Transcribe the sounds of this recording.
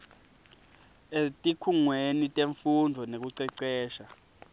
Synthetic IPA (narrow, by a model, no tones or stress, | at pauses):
etʼikʰuŋwenitʼeɱfundʱɔnek̬uǀɛǀɛːʃa